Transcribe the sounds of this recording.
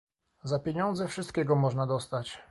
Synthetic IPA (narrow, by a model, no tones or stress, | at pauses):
zapʲjeɲɔnd̪zɛfʂɘst̪̚kʲɛɡɔmɔʐnad̪ɔst̪at͡ɕ